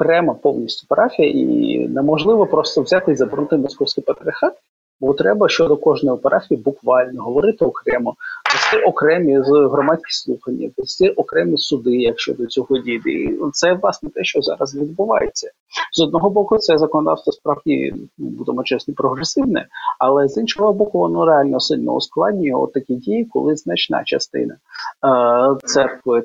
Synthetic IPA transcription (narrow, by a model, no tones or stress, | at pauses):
kɾɛmɐpɔwnʲisʲtʲʊ̥pɐɾʔɑfʲijɐʔḭnɛmɔʒlˠɪʋɔpɾɔst̪ɔwzʲat̪ɪizɐbɪrnut̪ɪmɔskɔwsʲkijpɐɾɪɾʲɐxɑt̪̚ | bɔt̪ɾɛbɐʃt͡ʃɔd̪ɔkɔʒnɔjupɐɾʔɑfʲibʊkʋɑlʲnɔɦɔʋɔɾɪt̪ɪɔkɾɛmɔpɔsʲt̪ɪʔɔkɾɛmʲizɦɾɔmat͡sʲkʲi̥slˠuxɐnʲːɐ̰pɔsʲt̪ɪʔɔkɾɛmʲisʊd̪ɪjɐkʃt͡ʃɔ̰d̪ɔt͡sʲɔɦɔdʲid̪ɛ̰t̪sɛʋlˠɑsnɛt̪ɛʃt͡ʃɔzɑ̰ɾɐzʋʲid̪̚bʊʋɑ̰jet͡sʲːɐ | zɔd̪nɔɦɔbɔkʊt̪sɛzɐkɔnɔd̪ɑ̰fst̪ʋɔspɾɑʋdʲḭm̰bud̪emɔt͡ʃɛsnɔpɾɔɦɾesɪʋnɛ̰ɐlˠɛzinʃɔɦɔɔbɔkʊʋɔnɔɾeɑlʲnɛɔsɪlʲnɔ̰ʊ̰sklˠɑdʲnʲijɔ̰t̪ːɐkʲidʲijikɔ̰lˠɪznɐt͡ʃnɑ̰t͡ʃɐst̪ɪ̰nɐ | t̪sɛrkʋɪ